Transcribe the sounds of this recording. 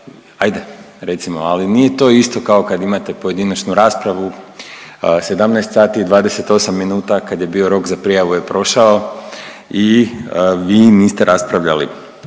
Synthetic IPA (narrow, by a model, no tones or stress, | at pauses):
ajd̪e | ɾe̞t̪simoalinije̞t̪o̞ist̪o̞kao̞kad̪imat̪e̞po̞je̞d̪inat͡ʃnuɾaːspɾaʋu | se̞d̪amnaest̪saːt̪iːd̪ʋaːd̪e̞se̞t̪o̞samːinuːt̪akad̪je̞bio̞ɾo̞kzapɾijaʋuje̞pɾo̞ʃao | i | ʋiːniːst̪e̞ɾʔaspɾaʋʎa̰lḭ